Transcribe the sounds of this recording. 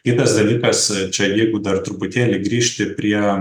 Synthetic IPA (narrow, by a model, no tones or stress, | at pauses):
kʲɪt̪ɐsd̪ɐlʲiːkɐst͡ʃʲɛjɛɪɡʊd̪ɐrt̪ɾʊpʊt̪ʲeːlʲɪɡɾʲiːʃʲt̪ʲɪpʲɾʲiɛ